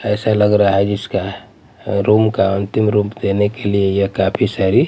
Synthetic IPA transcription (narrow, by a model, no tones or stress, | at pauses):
ɛːsaləɡɾaaɦɛd͡ʒɪska | ɾuːmkaənt̪ɪmɾuːpd̪enekeliejəkaːpʰisaɾi